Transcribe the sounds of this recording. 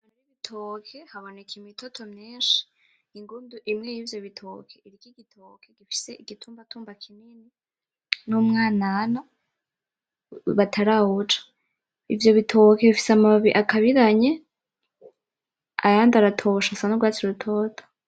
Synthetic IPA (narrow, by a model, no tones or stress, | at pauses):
aneɾiβitʰoːkʰe̞haβo̞ne̞kʰimitotʰo̞mɲiːnʃi̥ | iŋɡuːnduʔimŋejiːvjo̞βitʰoːkʰeiɾikiɡitʰoːkʰeɡifi̥se̞iɡ̥itʰuːmbatʰuːmbakʰimini | numŋaːnana | βatʰaɾahut͡ʃḁ | ivjo̞βitʰo̞ke̞βifi̥samaβiʔakaβiɾaɲe̞ | a̰jaːndaɾatʰo̞ʃasanoɡwaːt͡siɾutʰo̞ːtʰo̥